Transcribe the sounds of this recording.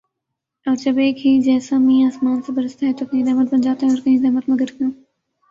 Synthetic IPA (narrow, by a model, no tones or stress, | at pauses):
ɔːɾd͡ʒɐbeːkɦid͡ʒɛːsamĩːaːsmaːnsebɐɾəst̪aɦɛt̪okɐɦĩd̪ɛɦmət̪̚bɐnd͡ʒaːt̪aɦɛɔːɾkɐɦĩd̪ɛɦmət̪mɐɡəɾkãː